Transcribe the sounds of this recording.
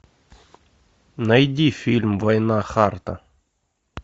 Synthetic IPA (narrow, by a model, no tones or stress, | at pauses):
nɐjdʲifʲilʲmvɐjnaxart̪ə̰